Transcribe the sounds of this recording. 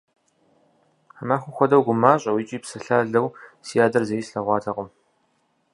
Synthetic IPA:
amaːxʷʊxʷɔdɐwɡʷʊmaːɕʼɐwiːt͡ʃʼiːpsɨɬaːɮɐwsijaːdɐrzɐjisɬɐʁʷɑːtʰɐqʼʊm

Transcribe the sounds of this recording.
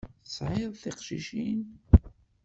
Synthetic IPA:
sʕiðˤθiqʃḭʃin

